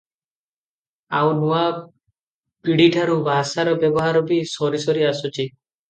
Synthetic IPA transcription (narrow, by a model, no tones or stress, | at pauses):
awnua | piɽiʈʰaɾubʱasaɾɔbjɔbɔɦaɾɔbisɔɾisɔɾiasɔt͡ʃi